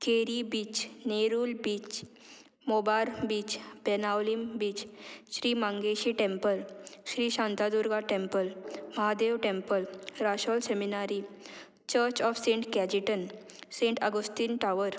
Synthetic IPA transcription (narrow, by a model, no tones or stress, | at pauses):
kʰeɾibiːt͡ɕneɾuːlbiːt͡ɕ | mobalbiːt͡ɕbenawlimbiːt͡ɕɕɾiːmãŋɡeɕiːʈẽmpəlɕɾiːɕãnt̪ad̪uɾɡaʈẽmpəlməɦad̪eʋʈempəlɾaɕɔlseminaɾi | t͡ɕəɾt͡ɕɔfsẽɳʈkɛd͡ʑiʈən | sẽɳʈəɡəst̪inʈaʋəɾ